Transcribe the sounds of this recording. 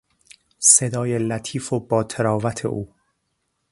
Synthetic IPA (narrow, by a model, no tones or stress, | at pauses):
se̞d̪ɒːjelæt̪ʰiːfobɒːt̪ʰeɾɒːvæt̪ʰe̞̰ʔuː